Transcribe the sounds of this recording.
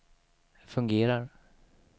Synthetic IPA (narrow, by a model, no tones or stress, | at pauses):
fɵŋɡeːɾaɾ